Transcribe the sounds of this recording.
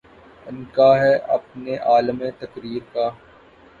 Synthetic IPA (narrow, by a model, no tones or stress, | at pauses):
ɪnkaɦɛʔɐ̰p̚neʔaːləmẽt̪ɐkɾiːɾkaː